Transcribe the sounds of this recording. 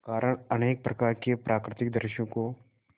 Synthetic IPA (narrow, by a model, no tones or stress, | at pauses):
kaːɾʔəɽ̃ɐneːk̚pɾɐkaːɾkepɾʔaːkɾɪt̪ɪk̚d̪əɾʃjõko